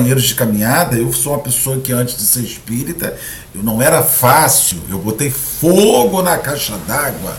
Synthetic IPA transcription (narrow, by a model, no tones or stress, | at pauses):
ɐɲejɾʊzd͡ʒɪkamĩɲad̪ɐewsoumɐpesoɐkɪɐ̃nt͡ʃɪzd̪ɪseɾɪʃpiɾit̪ɐ̰ | ewnɐ̃w̃ɛɾɐfasiwḛwbot̪ejfoɡʊnɐkajʃɐd̪aɡwɐ̰